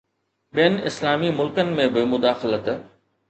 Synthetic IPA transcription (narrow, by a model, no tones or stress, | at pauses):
ɓijənɪslaːmimʊlkənɪ̆mẽbɪmʊd̪aːxlət̪